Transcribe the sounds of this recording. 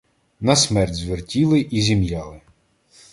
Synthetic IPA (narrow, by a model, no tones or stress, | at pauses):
nɐsmɛrtʲzʋɪrtʲilˠɪʔizʲimjɑlˠɪ